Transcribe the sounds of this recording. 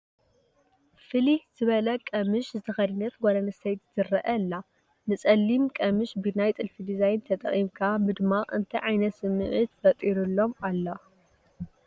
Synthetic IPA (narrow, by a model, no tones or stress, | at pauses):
fɨlihz̥ɨβɐlɐkʼɐmɨʃzɨt̪ʰɐxɐdinɐt̪ɡoɾɐnɐsɐjt̪zɨrːɐʔɐlːa | nɨt͡sʼɐlːimkʼɐmɨʃbɨnajt̪ʼɨlfid̪izajnt̪ʰɐt̪ʼɐχʼimkʰamɨd̪ɨmːaʔɨ̰nt̪ʰiʕajnɐt̪sɨmːɨʕɨt̪fɐt̪ʼiɾulːo̞malːo